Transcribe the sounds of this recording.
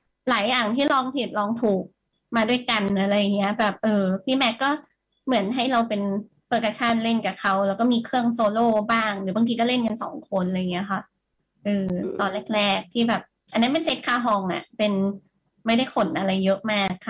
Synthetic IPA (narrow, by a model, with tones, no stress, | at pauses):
laː˩˦jːaː˨˩ŋt̪ʰiː˥˩lɔː˧ŋt̪ʰi˨˩t̪̚lɔː˧ŋt̪ʰuː˨˩k̚ | maː˧du˥˩əjka˧nla˧ɾa˧jːa˨˩ŋːi˦˥ɐbɛː˨˩p̚ʔɤː˧pʰiː˥˩mɛ˦˥t̪̚kːɔː˥˩ | mɯ˩˦ənɦa˥˩jɾa˧wpe˧n | pɤː˧ka˧p̚t͡ɕʰa˥˩˨nle˥˩nkaː˨˩kʰa˦˥wlɛ˦˥wkɔ˥˩miː˧kʰɾɯ˥˩əŋsoː˧loː˥˩baː˥˩ŋdɯ˨˩˦ba˧ŋʰiː˧kɔː˥˩le˥˩nka˧nsɔː˩˦ŋkʰo˧nlaː˧jŋi˦˥ɐ˧kʰa˥˩ | ʔɯː˧t̪ɔː˧nle˦˥˩k̚ɾɛː˥˩k̚t̪ʰiː˥˩bɛː˨˩p̚ | ʔa˧nːi˦˥pe˧nse˦˥t̪̚kʰaː˥˩ɦɔː˧ŋʔa̰˨˩pe˧n | ma˥˩jda˥˩jkʰo˨˦nʔa˧ɾa˧jːɤ˦˥ʔmaː˥˩k̚ʰːa˦˥˩